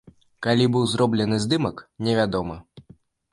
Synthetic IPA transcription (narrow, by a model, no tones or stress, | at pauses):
kalʲibɨwzɾɔblʲɛnɨzd̪ɨmɐknʲɛvʲad̪ɔmɐ